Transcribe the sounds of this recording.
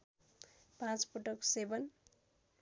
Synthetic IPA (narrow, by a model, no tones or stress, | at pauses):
pãt͡spuʈʌksebʌn